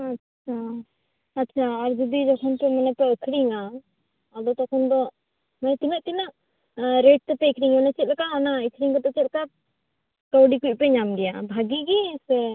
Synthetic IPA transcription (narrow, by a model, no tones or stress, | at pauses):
atːt͡ʃʰa | atːt͡ʃʰaːɾd͡ʒɔd̪id͡ʒɔkʰɔnpɛmanapɛəkʰɽiŋa | ad̪ɔt̪ɔkʰɔnd̪ɔ | majt̪inaʔt̪inaʔ | ɾeʈ̚t̪ɛpɛəkʰɽiŋmɛnɛt͡ʃɛt̪̚lɛkaɦanaikʰɽiŋkɔt̪ɛt͡ʃɛt̪̚lka | kawɖikuc̚pɛɲamɡɛjabʱaɡiɡisɛ